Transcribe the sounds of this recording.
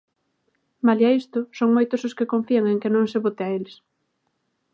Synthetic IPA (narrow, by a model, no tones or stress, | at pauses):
maljaist̪ʊsoŋmojt̪ososkekõɱfiaŋeŋkenõŋseβot̪eaeles